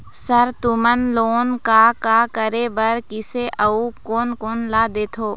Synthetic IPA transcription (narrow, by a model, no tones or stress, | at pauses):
səɾt̪ʊmənloːnkaːkaːkəɾebəɾkɪseʔəukoːnkoːnlaːd̪eːt̪ʰoː